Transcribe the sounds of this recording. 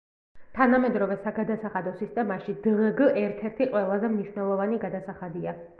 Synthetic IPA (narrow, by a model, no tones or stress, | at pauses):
t̪ʰanamɛd̪ɾɔvɛsaɡad̪asaχad̪ɔsist̪ʼɛmaʃid̪̥ʁɡʔɛɾt̪ʰɛɾt̪ʰiqʼwɛlˠazɛmniʃwnɛlˠɔvaniɡad̪asaχad̪ia